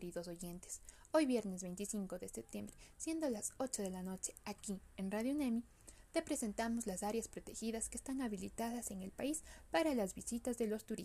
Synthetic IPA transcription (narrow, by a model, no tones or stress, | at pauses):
ɾiðo̞so̞ʝent̪e̥s | o̞jβje̞ɾne̞zβe̞jnt̪isiŋko̞ðe̞sep̚t̪je̞mbɾe̞sje̞nd̪olaso̞t͡ʃo̞ðe̞lano̞t͡ʃe̞̥akienraðjonemi | t̪e̞pɾe̞se̞nt̪amo̞zlasaɾjaspɾo̞t̪e̞xiðaske̞ːst̪aŋaβilit̪aðase̞ŋe̞lpaispaɾalazβisit̪azðe̞lo̞st̪uɾi